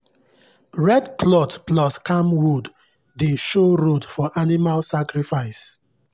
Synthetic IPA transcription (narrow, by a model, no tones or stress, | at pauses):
ɹɛdkʰlɔtplɔskʰãmwudː | eʃoɹodfɔʔanimalsakɹifaɪs